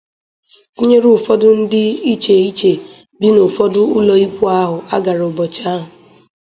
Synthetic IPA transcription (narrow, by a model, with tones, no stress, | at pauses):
si˦ɲe˦ɾʊ˨fɔ˦dʊ˦n̩˦dɪ˦i˦t͡ʃe˨i˦t͡ʃe˨ | bi˦nʊ˨fɔ˦dʊ˦ʊ˦lɔ˨i˦pu˦a˦ɦʊ˨a̰˦ɡa˨ɾʊ˨bɔ˨t͡ʃa˦ɦʊ˨